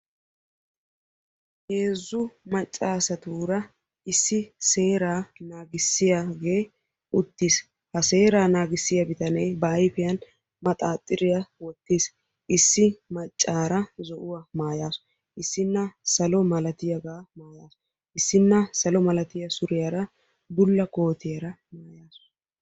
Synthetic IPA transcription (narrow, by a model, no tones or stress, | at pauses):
he̞ːzːʊmɐt͡ʃʼːaːsɐt̪uːɾɐ | ɪsːɪse̞ːɾaːnaːɡɪsːɪjaɡe̞ː | ʔʊt̪ːiːs | hɐse̞ːɾaːnaːɡɪsːɪjɐbɪt̪ɐnejbɐːjfɪjɐn | mɐt̪ʼaːt̪ʼːɪɾɪjɐwɔt̪ːiːs | ʔɪsːɪmɐt͡ʃʼːaːɾɐzɔʔʊwamaːjaːs | ʔɪsːɪnːɐsɐlɔmɐlɐt̪ɪjɐɡaːmaːjaːs | ʔɪsːɪnːɐsɐlɔmɐlɐt̪ɪjɐsʊɾɪjɐɾɐ | bʊlːɐko̞ːt̪ɪjɐɾɐmaːjaːs